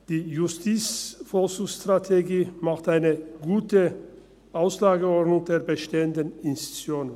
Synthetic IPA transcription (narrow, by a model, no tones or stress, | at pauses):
d̥iːjʊstʰiːt͡sfɔlʃustʁ̥atʰeɡiːmaχtʔaɪnəɡuːtə | ʔaʊslaːɡəɔʁdnʊŋdeːɐbəʃteːəndənɪnsti̥t͡sjoːn